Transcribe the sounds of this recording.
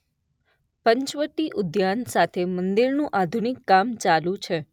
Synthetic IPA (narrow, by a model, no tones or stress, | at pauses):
pəɲt͡ʃʋəʈːiʔʊd̪jansat̪ʰemənd̪iɾnũʔad̪ʱunɪkːamt͡ʃalũt͡ʃʰe